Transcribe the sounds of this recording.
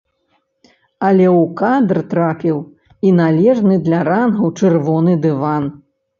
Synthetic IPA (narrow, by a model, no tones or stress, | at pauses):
ɐlʲɛwkad̪rt̪ɾapʲiw | inalʲɛʐnɨd̪lʲɐɾanɣɐwt͡ʂɨrvɔnɨd̪ɨvan